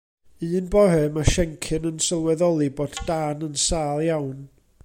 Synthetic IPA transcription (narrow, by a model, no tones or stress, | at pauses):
ɨːnbɔhɨmaʃɛŋkʰɨnənsəlˠwɛðɔlˠɨboːddanənsaːlˠjawn